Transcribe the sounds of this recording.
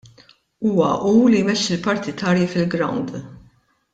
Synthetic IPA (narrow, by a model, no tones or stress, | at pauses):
uːwɐ̰ʔuːlijmɛʃːɪlpɐɾt̪ɪt̪ɐːɾjifɪlɡɾɐ̰wnd̪